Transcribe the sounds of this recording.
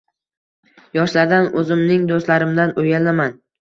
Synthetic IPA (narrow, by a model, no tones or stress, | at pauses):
jɒʃlaɾd̪anɵzɪmnɪŋd̪ost̪laɾɪmd̪anʊjalaman